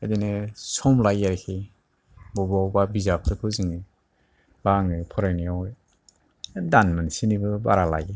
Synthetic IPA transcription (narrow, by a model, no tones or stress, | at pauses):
ajdenɯsɔmlajaɾikʰi | bɔbawbabizapʰɾɯkʰɯzɯŋɯ | baŋɯpʰɔɾaniawj | danmɯnsinibɯba̰ɾala̰je